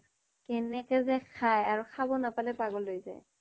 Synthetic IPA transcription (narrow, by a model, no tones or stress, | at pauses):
kɛnɛkɛzɛkʰajaɹuxʰabɔnapalɛpaɡɔlːojza̰j